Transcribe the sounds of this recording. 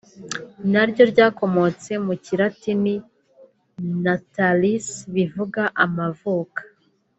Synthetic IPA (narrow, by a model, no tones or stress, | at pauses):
naɾɟo̞ɾɟaːko̞mo̞t͡se̞muciɾatini | natalisβivuɡaʔamavuːkḁ